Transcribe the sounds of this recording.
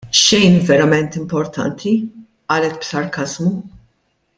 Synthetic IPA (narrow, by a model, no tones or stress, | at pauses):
ʃɛjnvɛɾɐmɛnt̪ɪmpɔɾt̪ʰɐ̰nt̪ʰi | ʔɐːlɛt̪̚bsɐɾkɐzmu